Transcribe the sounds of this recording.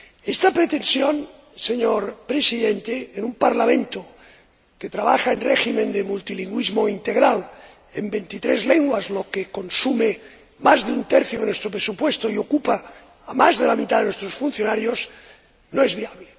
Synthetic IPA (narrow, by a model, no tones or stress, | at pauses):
est̪apɾet̪e̞nsjon | seɲoɾpɾesiðent̪eenumpaɾlamẽnt̪o | ket̪ɾaβaxaenreximẽnd̪emult̪iliŋɡwizmoint̪eɣ̞ɾal | ḛmbent̪it̪ɾezleŋɡwazlo̞keko̞nsume | mazðeunt̪ɛɾθjoenwest̪ɾopɾesupwest̪oio̞kupaː | mazðelamit̪aðenwest̪ɾosfun̟θjonaɾjos | noezβiaβle